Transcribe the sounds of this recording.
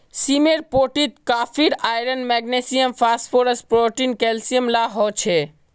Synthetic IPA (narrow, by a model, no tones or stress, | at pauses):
simeɾpoʈit̪kaːpʰiɾaːjɾənmɛɡnesijəmpʰaspʰoɾəspɾoʈinkɛlsijəmlaɦɔt͡ʃʰe